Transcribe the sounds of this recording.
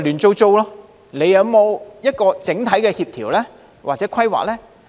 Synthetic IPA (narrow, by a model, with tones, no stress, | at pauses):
lyː˨˩nt͡so˧wt͡so˧wlɔː˧˥ | le˨˧jɐ˨˧wmo˨˧wjɐ˥t̚kɔː˧t͡sɪ˨˥ŋt̪ʰɐ˨˥jkɛː˧hiː˧p̚t̪ʰiː˨˩wlɛː˥ | waː˨k̚t͡sɛː˨˥kʷʰɐ˥jwa̰ː˨k̚lɛː˥